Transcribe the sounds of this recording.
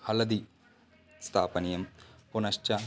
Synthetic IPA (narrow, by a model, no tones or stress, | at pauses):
hɐlɐd̪i | st̪ʰaːpɐnijɐmpunɐɕt͡ʃɐ